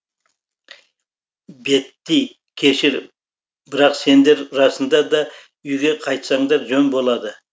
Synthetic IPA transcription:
be̞t̪ːij | kʲʰe̞ʃɪɾ | bɪɾɑqse̞nd̪e̞ɾɾɑsənd̪ɑd̪ɑ | ʏjɡʲe̞qʰɑjt̪sɑɴd̪ɑɾʒɵnbo̞lˠɑd̪ə

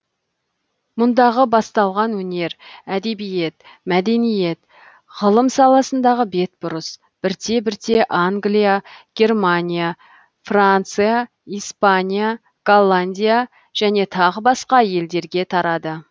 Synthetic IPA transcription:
mʊnd̪ɑʁəbɑst̪ɑlˠʁɑnwɵne̞ɾæd̪e̞bije̞t̪ | mæd̪e̞nije̞t̪ | ʁəlˠəmsɑlˠɑsənd̪ɑʁəbe̞t̪̚bʊɾəs | b̥ɪɾt̪e̞bɪɾt̪e̞ʔaŋɡlijaɡ̥ʲe̞rmanʲija | frant̪sɨja | ijspanʲija | ɡ̥olˠːanʲd̪ʲija | ʒ̥æne̞t̪ʰɑʁəbɑsqɑje̞ld̪e̞ɾɡʲe̞t̪ʰɑɾɑd̪ə

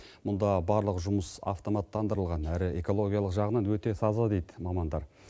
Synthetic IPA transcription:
mʊnd̪ɑbɑɾlˠəqʒʊməsɑ̰ft̪o̞mɑt̪ːɑnd̪əɾəlˠʁɑnæɾɪe̞ko̞lˠo̞ɡʲijɑlˠəqʒɑʁənɑnwɵt̪e̞sɑzɑd̪e̞jd̪ɪmɑmɑnd̪ɑɾ

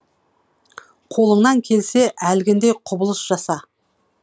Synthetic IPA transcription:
qʰo̞lˠəɴnɑŋkʲʰe̞lseʔælɡʲɪnd̪ejqʰʊbəlˠəsʒ̥ɑsɑ

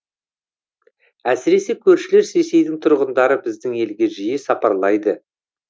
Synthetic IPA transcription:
æsɪɾe̞se̞kʲʰɵɾʃɪle̞ɾsese̞jd̪ɪŋt̪ʰʊɾʁənd̪ɑɾəbɪzd̪ɪŋe̞lɡʲe̞ʒijɪsɑpɑɾlˠɑjd̪ə

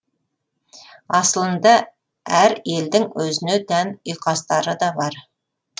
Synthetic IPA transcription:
ɑsəlˠənd̪ə | æɾe̞ld̪ɪŋwɵzɪned̪ænʊjqɑst̪ɑɾəd̪ɑbɑɾ

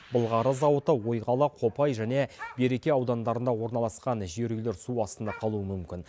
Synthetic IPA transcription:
bəlˠʁɑɾəzɑwət̪əwo̞jʁɑlˠəqʰo̞pɑjʒæne̞be̞ɾe̞kʲe̞ɑwd̪ɑnd̪ɑɾənd̪ɑwo̞ɾnɑlˠɑsqɑnʒeɾɡʲɪleɾsuɑst̪ənd̪ɑqʰɑlˠuəmʏmkʲɪn

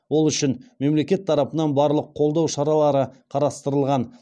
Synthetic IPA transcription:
wo̞lˠʏʃɪnme̞mle̞kʲe̞t̪ʰːɑɾɑpənɑnbɑɾlˠəqʰːo̞lˠd̪ɑwʃɑɾɑlˠɑɾəqʰɑɾɑst̪əɾəlˠʁɑn

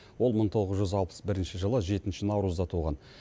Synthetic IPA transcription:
wo̞lˠməɴt̪ʰo̞ʁəzʒʏzɑlˠpə̥sbɪɾɪnʃɪʒəlˠəʒe̞t̪ɪnʃɪnɑwɾuzd̪ɑt̪ʰuʁɑ̰n

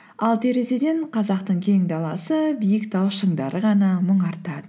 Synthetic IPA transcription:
ɑlˠt̪ʰe̞ɾe̞se̞d̪e̞nqʰɑzɑqt̪əɴkʲʰe̞ŋd̪ɑlˠɑsəbijəkt̪ɑwʃəɴd̪ɑɾʔəʁɑnɑməɴɑɾt̪ɑd̪ə

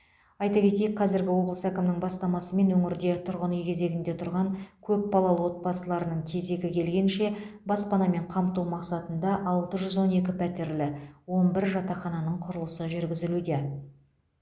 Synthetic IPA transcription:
ɑjt̪ɑkʲʰe̞t̪e̞jek̚qʰɑzɪɾɡʲɪwo̞blˠəsækʲɪmnɪŋbɑst̪ɑmɑsəme̞nwɵŋɪɾd̪e̞t̪ʰʊɾʁənijkʲʰe̞ze̞ɡʲɪnd̪e̞t̪ʰʊɾʁɑŋkʲʰɵp̚bɑlˠɑlˠəwot̪̚pɑsəlˠɑɾənəɴt̪ʲʰe̞ze̞ɡʲɪkʲʰe̞lɡʲe̞nʃe̞bɑspɑnɑme̞ɴqʰɑmt̪uwmɑqsɑt̪ənd̪ɑʔɑlˠt̪əʒʏzwo̞ne̞kʲɪpʰæt̪e̞ɾlɪwo̞nbɪɾʒɑt̪ɑχɑnɑnəɴqʰʊɾəlˠəsəʒʏɾɡʲɪzɪlud̪e̞

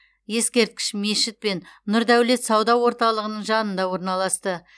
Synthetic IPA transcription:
je̞skʲe̞ɾt̪̚kʲɪ̥ʃme̞ʃɪt̪̚pe̞nnʊɾd̪æwle̞t̪sɑwd̪ɑwo̞ɾt̪ɑlˠəʁənəɴʒɑnənd̪ɑwo̞ɾnɑlˠɑst̪ə

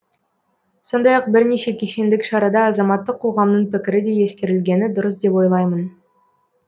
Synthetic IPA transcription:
so̞nd̪ɑjɑq̚bɪɾneʃe̞kʲʰeʃe̞nd̪ɪkʃɑɾɑd̪ɑːzɑmɑt̪ːəqʰːo̞ʁɑmnəɴpɪkʲɪɾɪd̪e̞je̞skʲe̞ɾɪlɡʲe̞nɪd̪ʊɾəsd̪e̞pwo̞jlˠɑjmən

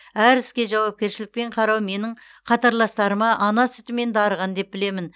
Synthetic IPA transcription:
æɾɪskʲe̞ʒɑwɑp̚kʲe̞ɾʃɪlɪk̚pe̞ɴqʰɑɾɑwme̞nɪɴ | qʰɑt̪ɑɾlˠɑst̪ɑɾəmɑʔɑnɑsʏt̪ɪme̞nd̪ɑɾəʁɑnd̪e̞p̚bɪle̞mɪn

